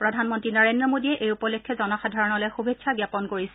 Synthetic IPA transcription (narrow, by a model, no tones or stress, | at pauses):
pɹɔdʱanmɔntɹinɔɹendɹɔmodiɛʔejupɔlekʰːɔzɔnɔxadʱaɹɔnɔlɛjxubʱetːsʰaɡjapɔnkoɹissɛ